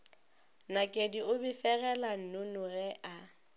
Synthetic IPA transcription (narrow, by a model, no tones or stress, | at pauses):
nakʼediʊbifɛɣɛlan̩nʊnʊrɛʔa